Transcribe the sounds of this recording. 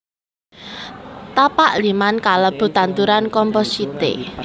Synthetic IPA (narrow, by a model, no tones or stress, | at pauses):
t̪apaʔlimankaləb̥ṳt̪ant̪uɾankɔmpɔsit̪ḛ